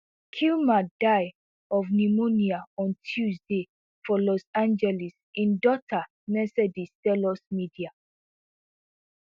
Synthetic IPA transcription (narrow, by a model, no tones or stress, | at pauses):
kʰilmadaɪ | ɔvnimoniaɔ̃ntʰjusde | fɔlɔsãnd͡ʒɛlis | ĩndɔtʰa | mɛsɛdistɛlɔsmidia